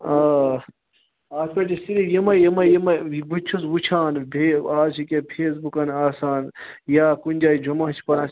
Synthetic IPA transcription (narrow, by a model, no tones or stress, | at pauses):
aː | aːɐt͡ʃisiɾijimɐjɐmɐjimɐbut͡ʃʰusbut͡ʃʰaːnbʱeaːzt͡ʃʰikʲepʰeːs̬bukɐnaːsaːnjaːkunʲd͡ʒaːid͡ʒʱumɐt͡ʃʰi̥pɐnaːs